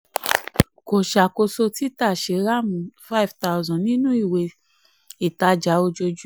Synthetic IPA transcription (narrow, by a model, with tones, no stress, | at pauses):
ko˨ʃa˨ko˧so˧ti˦ta˦˨ʃe˨˦ɾa˦˨mũ˨fa˦i˨vta˦˧zɔ̃˨nĩ˦nũ˦i˦˨we˧ | i˨ta˧d͡ʒa˨˦o˧d͡ʒo˧d͡ʒu˦